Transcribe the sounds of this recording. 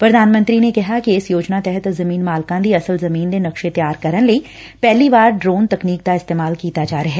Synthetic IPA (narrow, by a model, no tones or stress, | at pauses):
pɾɐd̪ʱaːnmə̃nt̪ɾinekɐɦakiɪsjoːd͡ʒnat̪ɛɦət̪zɐmiːnmaːlkãd̪iɐsəlzɐmiːnd̪enɐkʃet̪jaːɾkɐɾənli | pɛɦlibaːɾɖɾoːnt̪ɐkniːk̚d̪aɪst̪eːmaːlkiːt̪ad͡ʒaːɾɐɦɛː